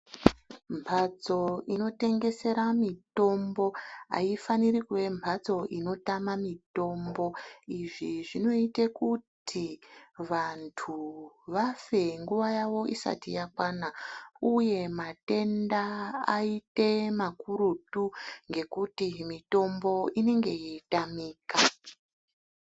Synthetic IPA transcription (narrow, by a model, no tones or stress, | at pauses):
mpʰat͡so̞ino̞te̞ŋɡe̞se̞ɾamito̞mbo̞a̰ifanirikwe̞mpʰat͡so̞ʔino̞tamamito̞mbo̞iʐiʐino̞itekutʰiʋantʰu | ʋafe̞ŋɡuʋajaʋo̞isa̰tḭjakwanauje̞mate̞ndaa̰ite̞makuɾutuŋɡe̞kutimito̞mbo̞ine̞ŋɡe̞jitamiːka